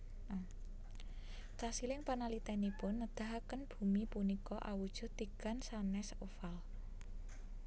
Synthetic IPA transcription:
t͡ʃasilɪŋpanalit̪ɛnipʊnːəd̪̥a̤ɦakənb̥ṳmipunikɔʔa̰wud̥ʒ̥ɔ̤t̪iɡ̥ansanɛsofal

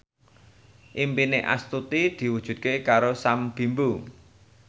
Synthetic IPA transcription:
ʔimpineʔa̰st̪ut̪id̪̥i̤wud̥ʒ̥ṳt̪̚kekaɾosamb̥i̤mbu

